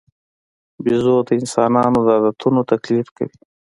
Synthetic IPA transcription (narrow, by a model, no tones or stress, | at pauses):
bizoːt̪aɪnsɑːnɑːnod̪aːd̪at̪ʰunot̪ɐklifkə̰wi